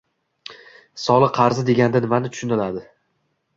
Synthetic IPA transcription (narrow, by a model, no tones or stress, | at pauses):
sɒlˠɨqʰɑɾzɪd̪e̞ɡʲand̪anɪmanɪt̪ʰʊ̥ʃʊnɪlad̪ɪ